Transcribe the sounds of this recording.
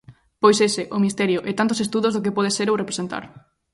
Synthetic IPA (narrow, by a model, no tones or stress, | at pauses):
pojsesɪʔʊmist̪ɛɾjʊʔɛt̪ant̪ʊsest̪uðʊzðʊkepɔð̞eseɾorepɾesent̪a̰ɾ